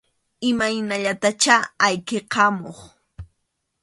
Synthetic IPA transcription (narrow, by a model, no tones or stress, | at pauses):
ɪmajnaʎat̪at͡ʃaːjkeqɑmoχ